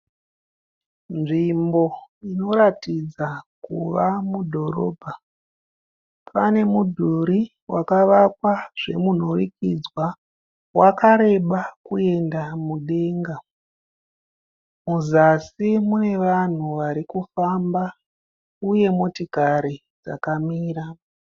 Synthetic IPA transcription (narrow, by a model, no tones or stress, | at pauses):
nʐimbo̞ino̞ɾatid͡zakṵʋamudʱo̞ɾo̞̰ːbʱa | pane̞mudʱuɾi | wakaʋakwaʐ̥e̞mun̤orikid͡zwa | wakaɾe̞ɓakue̞ndamuɗe̞ŋɡa | muzasimune̞ʋan̤uʋaɾikufamba | uje̞motikaɾi | d͡za̰kamiːra